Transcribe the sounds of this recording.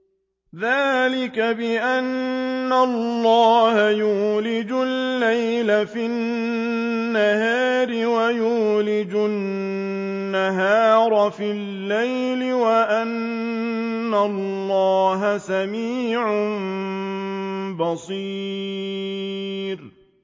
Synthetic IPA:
ðaːlɪkabɪʔanːallːɑːhajuːlɪd͡ʒʊlːajlafi | ahaːɾɪwajuːlɪd͡ʒʊ | aɦaːɾˤfilːajlɪwaʔanː | alːɑːɦasamiːʕʊm | bɑsˤiː | ɾ

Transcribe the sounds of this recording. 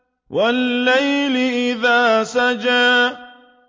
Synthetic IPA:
wʔalːajlɪʔɪðaːsad͡ʒaː

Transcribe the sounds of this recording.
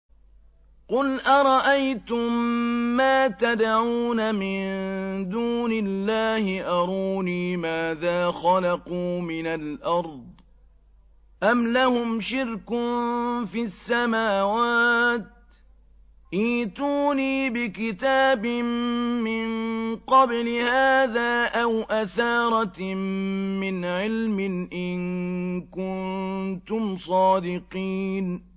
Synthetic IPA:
qʊlʔɑɾˤɑʔajt̪ʊmːaːt̪ad̪ʕuːnamɪnd̪uːnɪlːaːhɪʔɑɾˤuːniːmaːðaːxɑlɑquːmɪnalʔɑɾˤd̪̚ˤ | ʔamlahʊmʃɪɾk | fiasːamaːwaːt̪̚ | ʔiːt̪uːniːbɪkɪt̪aːbɪmɪnqɑblɪhaːðaːʔawʔaθɑːɾˤɑ | ɪnʕɪlmɪnʔɪnkʊnt̪ʊmsˤɑːd̪ɪqiːn

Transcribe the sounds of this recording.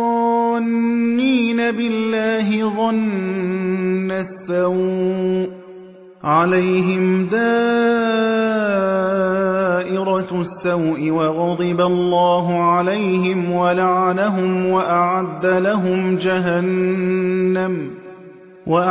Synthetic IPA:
nːiːnabɪlːaːɦɪðˤɑn | asːawʔ | ʕalajɦɪmd̪aː | ʔɪɾɑsːawʔɪwɑɣɑd̪ˤɨbalˤːɑːɦʊʕalajɦɪmwalaʕalaɦʊmwaʔaʕad̪ːalaɦʊmd͡ʒaɦanː | am | waʔ

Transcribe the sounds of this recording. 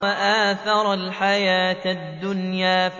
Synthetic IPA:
aʔaːθɑɾˤalħajaːt̪d̪ːʊnjaːf

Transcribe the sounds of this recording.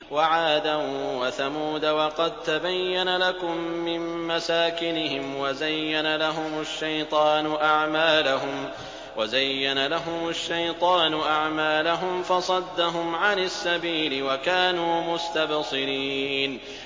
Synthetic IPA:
waʕaːd̪awaθamuːd̪awɑqɑd̪̚t̪abajːanalakʊmːɪnːasaːkɪnɪhɪmwazajːanalaɦʊmʊʃːajt̪ˤɑːnʊʔaʕmaːlaɦʊm | wazajːanalaɦʊmaʃːajt̪ˤɑːnʊʔaʕmaːlaɦʊmfɑsˤɑd̪ːaɦʊmʕanasːabiːlɪwakaːnuːmʊst̪absˤɨɾiːn

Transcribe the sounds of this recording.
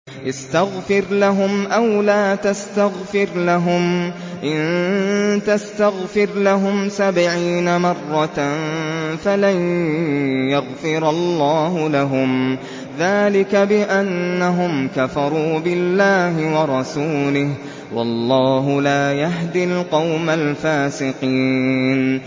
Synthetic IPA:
ʔast̪aɣfɪɾlaɦʊmʔawlaːt̪ast̪aɣfɪɾlaɦʊm | ʔɪn | t̪ast̪aɣfɪɾlaɦʊmsabʕiːnamɑrˤːɑ | falaj | jaɣfɪɾɑlːɑːɦʊlaɦʊm | ðaːlɪkabɪʔanːaɦʊmkafɑɾˤuːbɪlːaːɦɪwɑɾˤɑsuːlɪh | wɑ̰lˤːɑːɦʊlaːjaɦd̪ɪlqɑwmalfaːsɪqiːn

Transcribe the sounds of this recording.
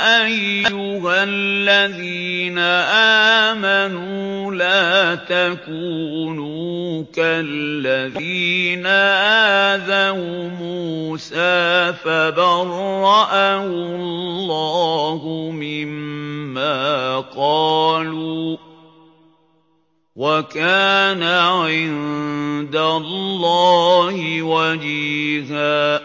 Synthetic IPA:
ʔajːʊɦalːaðiːnaʔaːmanuːlaːt̪akuːnukalːaðiːnaʔaðahumuːsaːfabɑɾˤɑʔahʊllllːɑːɦʊmɪmːaːqɑːluː | wakaːnaʕɪnd̪alːɑːhɪwad͡ʒihaː

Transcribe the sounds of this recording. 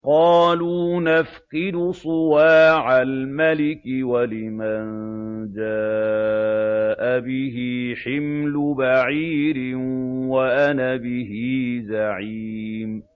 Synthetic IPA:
qɑːluːnafqɪd̪ʊsˤʊwaːʕalmalɪkɪwalɪmand͡ʒaː | ʔabɪɦɪħɪmlʊbaʕiːɾɪwaʔanabɪɦizaʕiː | m

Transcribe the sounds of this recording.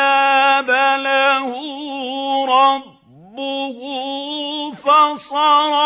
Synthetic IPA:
abalahʊ | ɾɑb | bːʊɦʊ | fasˤɑɾˤ

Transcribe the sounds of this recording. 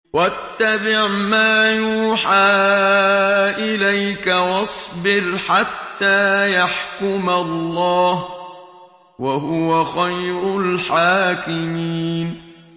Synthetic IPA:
wat̪ːabɪʕmaːjuːħaː | ʔɪlajkawɑsˤbɪɾħat̪ːaːjaħkʊmalːɑːh | waɦʊwaxajɾʊlħaːkɪmiːn

